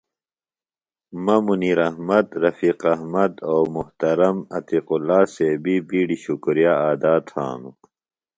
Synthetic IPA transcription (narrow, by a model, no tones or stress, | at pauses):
mɐmuniːɾɐhmɐd̪ɾɐfiːqɐɦmɐd̪oːmuht̪ɐɾɐmɐt̪iqulːaːseːbibiːɽiɕukɾijaaːd̪aːt̪ha̰ːnu